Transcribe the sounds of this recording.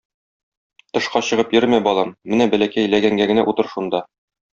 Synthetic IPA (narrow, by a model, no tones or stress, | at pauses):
t̪ɤ̆ʃqɑɕɤ̆ʁɤpjɵɾmæbɒlˠɑmːɘnæbælækæjlæɡæŋɡæɡɘ̆næʔut̪ɤɾʃund̪ɑ